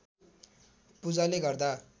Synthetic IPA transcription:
pud͡zaleɡʌrd̪a

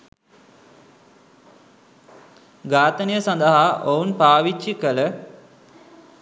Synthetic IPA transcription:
ɡaːt̪ənəjəsɐnd̪əɦaʔounpaːʋit͡ʃːikələ

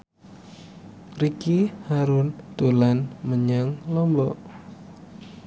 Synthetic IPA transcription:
rikihaɾʊnd̪̥olanməɲaŋlɔmbɔʔ

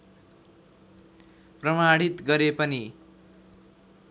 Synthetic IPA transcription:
prʌmaɽit̪ɡʌɾepʌni

